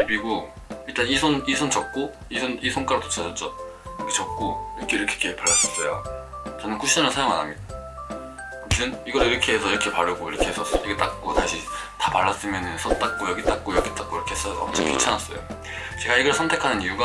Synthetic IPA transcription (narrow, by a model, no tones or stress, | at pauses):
ibiɡo | iɭt͈anisʰonisʰont͡ɕʌk̚k͈o | isʰonisʰonk͈aɾodʰot͡ɕʰad͡ʑʌt͡ɕ͈ʌ | jʌɡit͡ɕʌk̚k͈oiʌkʰeiɾʌkʰe̥kʰepaɭːas͈ʌs͈ʌjo̰t͡ɕʌnɯnkuɕʰid͡ʑanɯɭsʰajoŋa̰namida | tʰɯniɡʌɾiɾʌkʰe̞ɦesʰʌiɾʌkʰe̞paɾɯɡoiɾʌkʰe̞ɦes͈ʌs͈ʌiɡet͈ak̚k͈otaɕʰitapaɭːas͈ɯmjʌnɯnsʰʌt͈ak̚k͈ojʌɡit͈ak̚k͈ojʌɡit͈ak͈̚oiɾʌkʰeɦes͈ʌʌ̰mt͡ɕʰʌkʰḭt͡ɕʰanas͈ʌ̰jo̰ | t͡ɕe̞ɡaiɡʌɭsʰʌntʰe̞kʰanɯnijuɡa